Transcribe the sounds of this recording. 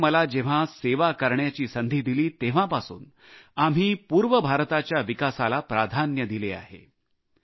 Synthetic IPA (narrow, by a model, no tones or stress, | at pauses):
məlad͡ʑeʋ̤aseʋakəɾɳjat͡ɕiːsənd̪ʱiːd̪iliːt̪eʋ̤ãpasṵːn | am̤iːpuːɾʋəbʱaɾt̪at͡ɕjaʋikasalapɾad̪ʱanjəd̪ilea̰ɦḛ